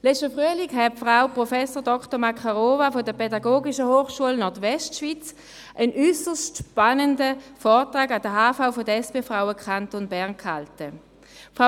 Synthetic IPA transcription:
lɛt͡ʃtəfʁyəlikɦɛfʁaʊpʁɔfɛsoːdɔktəɐmakʰaʁoːvafodəpʰɛdaɡoːɡiʃəhoːχʃuəlnɔɐtʋɛstʃʋit͡s | ʔənysəstʃpanəndəfɔːɐtʁaːɡad̥əɦaːfaʊfodəɛspeːfʁaʊəkχantonbɛɐnkhaltə | fʁa

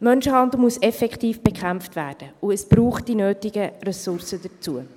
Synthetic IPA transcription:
mœnʃəhɑnd̪l̩ˠmuəsɛfɛkχtiːfb̥ɛkχæmftʋæːrd̥əuəsb̥ɾuːχt̚d̥inøːtɪɡərɛsʊrsəd̥ət͡suə

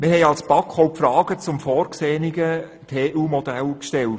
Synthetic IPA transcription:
mɪhɛɪɑlsb̥ɑkʰχɔʊpfɾɑːɡ̥ət͡sʊmfɔːɾkseːniɡə | tʰeːʔuːmɔd̥̪ælkʃtɛlt

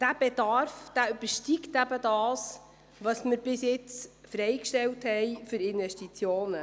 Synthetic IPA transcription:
d̥æb̥ed̥ɑɾfd̥æːyb̥əɾʃtiktæbədɑːs | ʋɑsmɪɾb̥ɪsjɪt͡sfɾɛjkʃtɛlthɛjfyɾɪnvɛʃtit͡sjoːnə

